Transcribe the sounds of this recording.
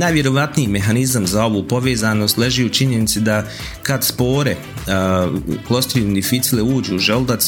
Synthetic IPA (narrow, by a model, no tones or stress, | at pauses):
najʋjeɾo̞ʋat̪nijime̞ɦanizamzao̞ʋupo̞ʋe̞ːzaːnost̪leʒiut͡ʃiɲe̞nit̪sid̪a | kad̪spo̞ːɾe̞ | klˠo̞st̪ɾijund̪ifit̪sileuːd͡ʑuːʒeld̪a